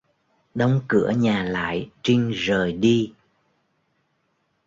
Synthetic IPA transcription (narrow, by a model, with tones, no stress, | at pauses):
ɗə˨˦wŋ͡mkɨ˧˩əɲaː˨˩la̰ː˧˨jt͡ɕi˧ŋ̟zəː˨˩jɗi˧